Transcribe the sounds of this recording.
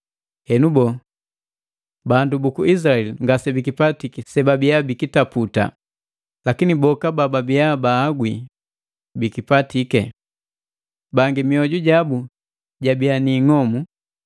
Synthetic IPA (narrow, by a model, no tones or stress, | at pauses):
hɛnubɔ | bandubukuis̬aɛliŋɡasɛbikipatikɛsɛbabiabikitaputa̰ | lakinibɔkabababiabaːɡwi | bikipatikɛ | baŋɡimiɔɟuɟabu | ɟabianiŋɔmu